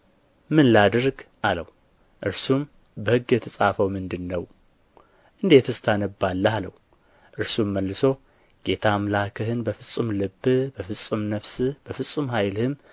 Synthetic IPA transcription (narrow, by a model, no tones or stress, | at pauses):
mɨnlad̪ɨɾɡʔaləw | ʔɨɾsum | bəhɨɡːjɛt̪ʰəsʼafəwmɨnd̪ɨnːəw | ʔɨnd̪e̞t̪ʰɨst̪ʰanəbːalːəhaləw | ʔɨɾsumːəlːɨso̞ | ɡ̥e̞t̪ʰamlakʰəhɨnbəfɨt͡sʼːumlɨbːbəfɨsʼumnəfsɨb̥əfɨsʼumɦajlhɨm